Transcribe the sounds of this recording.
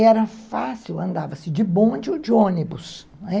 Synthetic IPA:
ɛɾɐfasiwɐ̃nd̪avɐsɪd͡ʒɪbõd͡ʒɪʊd͡ʒɪõnibʊs | nɛ

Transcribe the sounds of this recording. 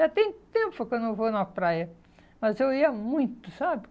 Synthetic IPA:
at̪ẽj̃t̪ẽmpʊkwɐ̃nd̪ewvonɐpɾajɐ | mɐzewiɐmũj̃t̪ʊsabɪ

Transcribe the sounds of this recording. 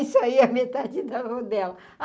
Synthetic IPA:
isaiɐmet̪ad͡ʒɪd̪ɐvod̪ɛlɐ

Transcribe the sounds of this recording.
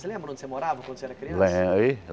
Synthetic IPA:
selẽmbɾ̃õnd̪semoɾavɐkwɐ̃nd̪seɛɾɐkɾiɐ̃lẽi

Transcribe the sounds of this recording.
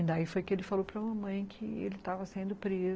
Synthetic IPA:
d̪aifojkɪelɪfalopɾɐũmɐmɐ̃j̃kʰɪḛlɪt̪avɐsẽnd̪ʊpɾez

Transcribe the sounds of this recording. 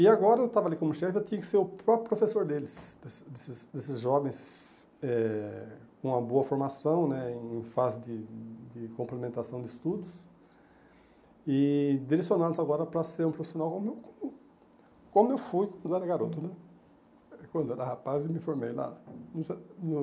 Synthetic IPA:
ɪaɡɔɾɐewt̪avɐalikõmʊʃɛfɪewt̪ĩɲɐkɪ̥seɾʊpɾɔpɾjʊpɾofesoɾd̪elɪsd̪esd̪esɪsd̪esɪzʒɔvẽj̃s | ɛ | kõmɐboɐfoɾmasɐ̃w̃nɛẽẽj̃fazɪd̪ɪd̪ɪkõmplemẽnt̪asɐ̃w̃d̪ɪɪst̪ud̪ʊs | ɪd̪iɾesjõnalʊzaɡɔɾɐpɾɐseɾũpɾofi̥sjonawkõmʊewkoʊ | kõmʊewfujkwɐ̃nd̪ʊɛɾɐɡaɾot̪ʊnɛ | kwɐ̃nd̪oɛɾɐhapazemɪ̃foɾmḛjla̰nũsɛn

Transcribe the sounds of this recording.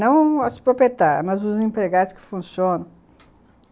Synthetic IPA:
nɐ̃w̃ɐspɾopet̪aɾmɐzuzẽmpɾeɣad̪ʊskɪ̥fũsjõnɐ̃w̃

